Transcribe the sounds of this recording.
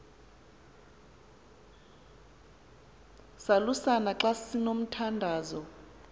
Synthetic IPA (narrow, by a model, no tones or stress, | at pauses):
salusanaǁassinom̩tʰandʱaːzɔ